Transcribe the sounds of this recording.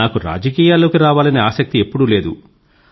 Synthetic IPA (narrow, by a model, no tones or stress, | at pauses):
aːkuɾa̰ːd͡ʒɐkiːjaːlːo̞ːkiɾaːʋaːlɐniaːsɐk̚t̪ie̞pːuɽule̞ːd̪ṵ